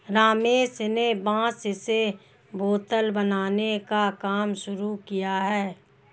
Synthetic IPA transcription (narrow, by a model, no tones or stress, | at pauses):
ɾaːmeːsnebãːsse | boːt̪əlbənaːnekakaːmʃʊɾukijaɦɛː